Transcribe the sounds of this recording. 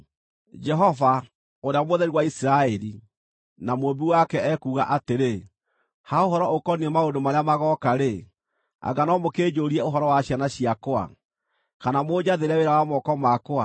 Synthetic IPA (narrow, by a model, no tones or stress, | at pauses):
d͡ʒɛɦɔva | oɾeamoðɛɾiwaisiɾaɛɾi | namobiwakɛɛkuːɣa̰ʔateɾe | haoɦɔɾɔokɔniɛmaondomaɾeamaɣɔkaɾe | a̰ɡanɔmokeːd͡ʑoɾiɛoɦɔɾɔwaɕjanaɕiakoa̰ | kanamod͡ʒaðeɾɛweɾawamɔkɔmakoa